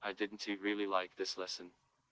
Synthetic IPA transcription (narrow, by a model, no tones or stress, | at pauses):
aɪdɪdⁿn̩tʰiɹɪːlˠilaɪk̚ðɪslɛsə̃n